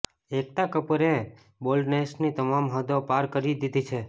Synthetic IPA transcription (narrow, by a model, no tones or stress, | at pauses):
ek̚t̪akəpəɾẽ | bolɖnesnit̪əmamɦəd̪opaɾkəɾid̪id̪it͡ʃʰe